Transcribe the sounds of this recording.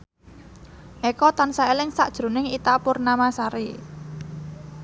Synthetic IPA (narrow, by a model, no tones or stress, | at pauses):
ʔekɔt̪ansaelɪŋsaʔd̥ʒ̥ɾṳnɪŋit̪apʊrnamasaɾi